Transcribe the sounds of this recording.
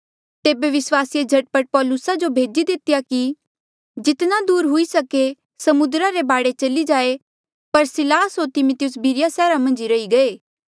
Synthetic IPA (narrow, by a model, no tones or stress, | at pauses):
t̪eːbeʋɪswaːsijed͡ʒʱɐʈ̚pəʈ̚pɔːlʊsad͡ʒobʱeːd͡ʒid̪ɪt̪ɪjaki | d͡ʒɪt̪nad̪uːɾɦʊisɐke | sɐmʊd̪ɾaɾebaːɽet͡ʃɐlid͡ʒaːe | pɐɾsɪlaːsɦot̪ɪmʊt̪ɪjʊsbʱiɾɪjasɛːɾamɐ̃nd͡ʒiɾɐiɡɐeː